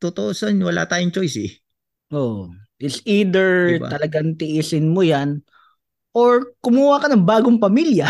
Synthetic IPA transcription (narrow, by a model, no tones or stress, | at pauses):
t̪ot̪oʔosonwɐla̰ːt̪aːjʊŋt͡ʃojsɪ | ʔoːʔʔɪsiːd̪ɛɹb̪ɐlɐɡaŋt̪ɪʔiːsɪnmʊjan | ʔoɹkʊmuːhakɐnɐŋbaːɡoŋpɐmiljɐ